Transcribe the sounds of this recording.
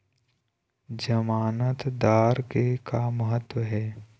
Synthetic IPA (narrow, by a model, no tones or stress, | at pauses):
d͡ʒəmaːnət̪d̪aːɾkekaməɦət̪ːwəɦɛː